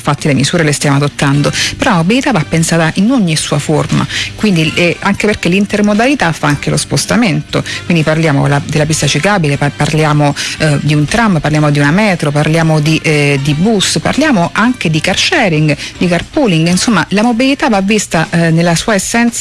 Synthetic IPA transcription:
ɱfat̪ːilemisuːɾelest̪jaːmoad̪ot̪ːand̪oppeɾɔlamobilit̪avapːensaːt̪aʔinoɲːisuːaforma̰kwind̪iɛaŋkeperkelint̪ermod̪alit̪afːaaŋk̟elospost̪ament̪okwind̪iparljaːmo̰lad̪elːapist̪at͡ʃikabilepaparljaːmod̪iunt̪ɾamparljaːmod̪iunamɛːt̪ɾoparljaːmod̪iʔd̪ibusːpa̰rljaːmoʔaŋk̟ed̪ikart͡ʃɛɾiŋɡd̪ikarpuliŋɡinsomːalamobilit̪avavːist̪anelːasuːaesːɛnt̪s

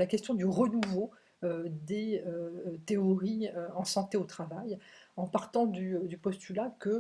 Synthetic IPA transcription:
lakʲɛst̪jɔ̃d̪yʁənuvo | ød̪eøt̪eɔʁiøɑ̃sɑ̃t̪eot̪χavajɑ̃paʁt̪ɑ̃d̪yd̪ypɔst̪ylakə

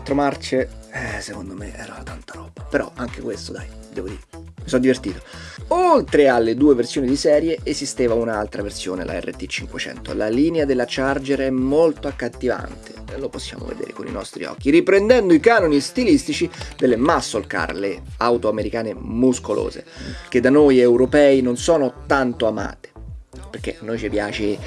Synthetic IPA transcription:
lt̪ːɾomart͡ʃeɛsekond̪omḛʔɛ̰ːɾa̰at̪ant̪aɾɔːb̥apeɾɔ̰aŋk̟ekwest̪od̪ajd̪ɛːvod̪iɾmisɔd̪ːivert̪iːt̪o̥olt̪ɾealːed̪uːeversjoːnid̪isɛːɾjeezist̪eːvaunaalt̪ɾaversjo̰ːnḛlʔa̰ɛ̰rːḛt̪ːit͡ʃːiŋkwet͡ʃɛ̰nt̪o̰laliːnead̪elːat͡ʃard͡ʒeɾɛmːolt̪oakːat̪ːiva̰nt̪ʰeloposːja̰ːmo̰vḛd̪ḛːɾḛkonḭnɔ̰st̪ɾḭɔ̰k̟ːiripɾend̪ɛnd̪oikaːnonist̪ilist̪it͡ʃid̪elːemasːolka̰rleawt̪oameɾikaːnemuskolo̰ːzḛk̟ed̪anojewɾopɛːinonsɔːnot̪ant̪oama̰ːt̪e̥perk̟ːenːojt͡ʃipjaːt͡ʃe

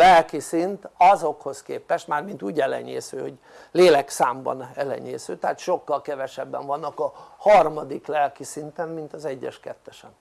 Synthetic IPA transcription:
lɛlkisint̪ɒzo̞kho̞skeːpɛʃt̪maːrmint̪uːɟɛlɛ̰ɲeːsøːhoɟ | leːlɛksaːmbɒ̰nɛlɛ̰ɲeːsøːt̪ɛaːt̪ʃo̞kːɒlkɛvɛʃɛbːɛ̰ɱvɒnːɒkɒhɒrmɒd̪iklɛlkisint̪ɛmmint̪ɒzɛɟːɛ̰ʃkɛt̪ːɛʃɛn

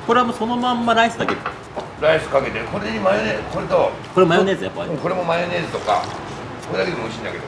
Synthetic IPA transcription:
ko̞ɾe̞amoso̞no̞mãmːaɾaisɨd̪akeɾɯ | ɾaisɨ̥kake̞t̪e̞ko̞ɾeɲimajoneko̞ɾet̪o | koemajone̞ːzɨjapːa̰ɾĩko̞ɾe̞mo̞majone̞ːzɨt̪o̞ka̰ | ko̞ɾed̪aked̪emoɯɕĩnd̪ake̞d̪o

